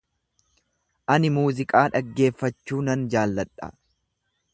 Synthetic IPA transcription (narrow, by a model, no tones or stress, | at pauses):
ʔɐnɪmuːzɪkʼaːᶑɐɡːe̞ːfːɐt͡ʃːuːnɐnd͡ʒaːlːɐᶑʼɐ̰